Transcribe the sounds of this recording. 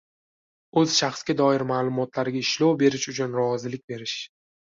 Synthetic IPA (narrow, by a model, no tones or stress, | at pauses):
ɵz̥ʃaχsɡʲad̪ɒɪɾmaːlˠʊmɒt̪ʰlaɾɪɡʲaɪʃlowbe̞ɾɪʃʊt͡ʃʰʊnɾɒzɪlɪk̚ʲbe̞ɾɪʃ